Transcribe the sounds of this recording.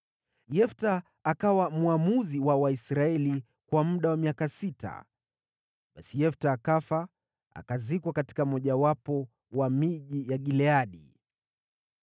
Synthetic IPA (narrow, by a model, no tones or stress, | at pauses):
jɛftaː | kawamuamuziwawaisɾaɛli | kwamuɗawamiakasita̰ | ɓasijɛftaːkafa | a̰kazikwakati̥kamɔʄawapɔ | wamiʄijaɠilɛaɗḭ